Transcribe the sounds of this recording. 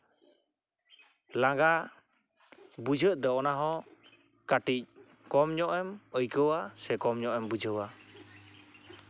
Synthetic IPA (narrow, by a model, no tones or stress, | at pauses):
laŋɡa | bud͡ʒʱəʔd̪ɔɔnaɦɔ̃ | kaʈic̚ | kɔmɲɔʔɛməjkəwasɛkɔmɲɔʔɛmbud͡ʒʱəwa